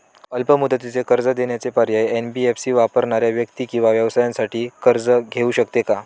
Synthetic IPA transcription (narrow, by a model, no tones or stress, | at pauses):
əlpəmud̪ət̪it͡sekəɾd͡zəd̪eɳjat͡sepəɾjajenbiefsiːʋapəɾɳaɾjaʋjək̚t̪iːkĩw̃ʋaʋjəʋsajãnsaʈʰiːkəɾd͡zəɡʱeuːɕəkt̪eka